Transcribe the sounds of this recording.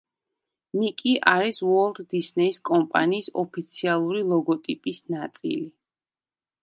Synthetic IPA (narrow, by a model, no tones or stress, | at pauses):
mikʼiʔaɾiswɔlˠd̪d̪isnɛiskʼɔmpʼa̰niːsɔpʰit̪sʰialˠuɾilˠɔɡɔt̪ʼipʼisnat̪sʼḭli